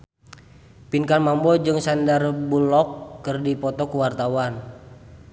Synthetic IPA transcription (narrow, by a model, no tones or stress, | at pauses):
pinkanmambɔd͡ʒɨŋsandarbulɔkːɨrdipɔt̪ɔkuwart̪awan